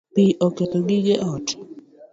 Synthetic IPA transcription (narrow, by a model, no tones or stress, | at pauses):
piʔoketoɡɪɡeʔɔt